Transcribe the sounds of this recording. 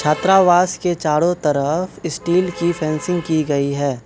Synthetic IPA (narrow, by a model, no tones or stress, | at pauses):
t͡ʃʰaːt̪ɾaːʋaːsket͡ʃaːɽõt̪ɐɾəfɪsʈiːlkipʰɛ̃ːnsɪ̃ŋɡkiɡɐiɦɛː